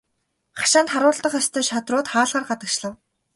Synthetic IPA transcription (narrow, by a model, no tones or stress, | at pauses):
χḁʃaːnt̪χaɾʊːɮt̪ə̆χest̪ʰœːʃat̪rʊːt̪χaːɮʁaːrɢat̪ə̆kt͡ɕɮə̆w